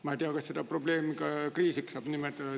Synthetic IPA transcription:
mɑit̪iɑkɑssed̪̥ɑpro̞ble̞ːmikɑkriːsiksɑːb̥nimet̪ːˑɑd̪̥ɑ

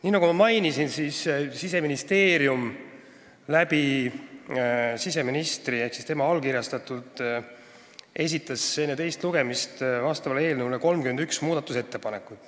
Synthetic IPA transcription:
niːnɑɡumɑmɑjnisinsiːssise̞minist̪e̞ːɾjum | læbi | sise̞minist̪rie̞hksist̪e̞mɑɑlkiɾjɑst̪ɑt̪ult̪ | e̞s̬ʲit̪ːˑɑse̞nːet̪e̞jst̪luɡ̥e̞mist̪vɑst̪ɑvɑle̞ːlnuwleko̞lmkymend̪yksmuːd̪ɑt̪ːuse̞t̪ːe̞pɑne̞kːˑut̪ːˑ

